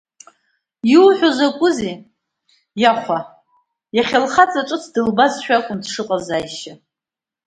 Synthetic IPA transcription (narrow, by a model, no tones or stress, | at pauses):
jiwħʷᶣozakʷʼʊzi | jaχʷa | jaχʲalχat͡sʼaʈ͡ʂʼɨt͡sʰdɨlbazʃᶣakʷʼʊndʂɨqʼazajʃa